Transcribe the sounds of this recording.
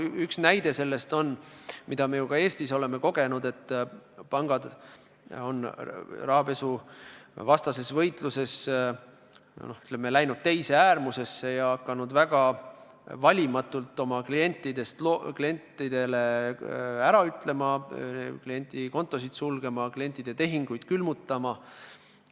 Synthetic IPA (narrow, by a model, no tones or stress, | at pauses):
yksnæjd̪̥e̞se̞lːe̞st̪o̞nːmid̪̥ɑme̞jukɑe̞ːst̪iso̞le̞me̞ko̞ɡ̥e̞nud̪e̞t̪ːˑpɑŋɡ̥ɑd̪ | o̞nːrɑhɑpe̞su | vɑst̪ɑse̞svɤjt̪ˑluse̞s | noy̥t̪lemːelæjnud̪̚t̪e̞jse̞æːrmuse̞sːe̞jɑɑkːˑɑnud̪væɡ̥ɑ | vɑlʲimɑt̪ːˑult̪ːˑo̞mɑklie̞nʲt̪ːˑid̪e̞st̪loklie̞nt̪ːˑid̪̥e̞le̞ | æɾɑyt̪ˑle̞mɑklie̞nʲt̪ˑiko̞nt̪ːˑo̞sid̪̥sulɡ̥e̞mɑklije̞nʲt̪ːˑid̪̥e̞t̪e̞ɦiŋɡ̥ujd̪̥kylmut̪ˑːɑmɑ